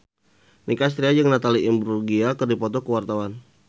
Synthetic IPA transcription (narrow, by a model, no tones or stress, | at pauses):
nikas̬t̪ɾiad͡ʒəŋnat̪aliʔimbɾurɡiakərdipɔt̪ɔkəwart̪awan